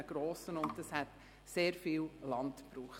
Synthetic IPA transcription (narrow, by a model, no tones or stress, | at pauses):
əɡ̥ɾoːsənʊntdəshɛt | seːɾfiːllɑntpɾuːχt